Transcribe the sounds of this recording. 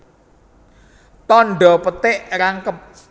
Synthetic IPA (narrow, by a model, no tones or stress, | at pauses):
t̪ɔnɖɔpət̪ɪʔɾaŋkəp̚